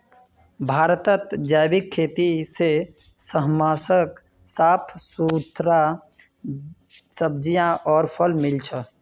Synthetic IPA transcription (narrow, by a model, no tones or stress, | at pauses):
bʱaːɾt̪ət̪d͡ʒaːjbikʰːeːt̪ise | səɦmaːsək | saːpʰsut̪ɾa | səb̚d͡ʒijãʔɔːɾpʰəlmilt͡ʃʰə